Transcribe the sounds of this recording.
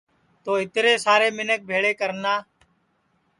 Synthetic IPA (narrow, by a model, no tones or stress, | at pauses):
t̪oːɪt̪ɾeːsaːɾeːmɪnək̚bʱeːɭeːkəɾnaː